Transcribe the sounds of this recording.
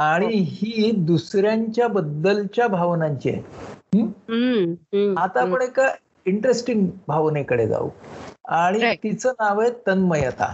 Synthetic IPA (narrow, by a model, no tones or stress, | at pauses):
aɽ̃iɦiːd̪usɾjaɲt͡ɕjabəd̪ːəlt͡ɕjabʱaʋnaɲt͡ɕḛɦ | at̪apəɳeka | iɳʈɾesʈiŋɡbʱaʋnekəɽḛd͡za̰ṵaɽ̃it̪it͡sənaʋejt̪ənməjət̪a̰